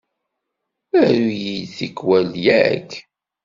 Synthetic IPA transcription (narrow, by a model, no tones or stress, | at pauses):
æɾujilθikːwæljækː